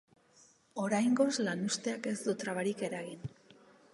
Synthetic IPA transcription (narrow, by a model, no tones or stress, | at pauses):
o̞ɾajŋɡo̞zlanust̪e̞ake̞zd̪ut̪ɾaβaɾike̞ɾaɣin